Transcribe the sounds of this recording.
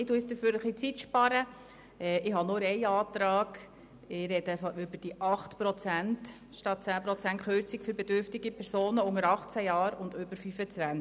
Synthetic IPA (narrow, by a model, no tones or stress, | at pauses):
ɪtuəsd̥̪əɾføːɾəχlit͡sitʃpɑɾə | ɛːɪɦɑnoɾɛɪɑːt̪ɾɑːɡ | ɪɾɛd̥əfɑʏbəɾd̥iʔɑχtpɾɔt͡sænt | ʃtɑt̚t͡sæːpɾɔt͡sæntχøɾt͡sɪkfʏɾbɛdʏɾftɪɡipʰɛɾsoːnəʊŋəɾɑχt͡sæjɑːɾʊndøbəɾfyfət͡sʋæn